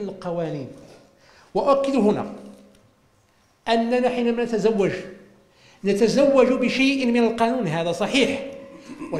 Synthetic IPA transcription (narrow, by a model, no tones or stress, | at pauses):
nəlqɑwæːniːn | waʔækːɪd̪hʊnæ̰ | ʔænːanaħiːnæmænæt̪æzawːad͡ʒ | nat̪æzawːaʒbɪʃajʔmɪnalqɑːnuːnɦæːðæsˤɑħiːħ | wa